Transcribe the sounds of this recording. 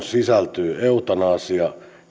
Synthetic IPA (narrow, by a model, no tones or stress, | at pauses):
sisælt̪yːeut̪ɑnɑːsjɑ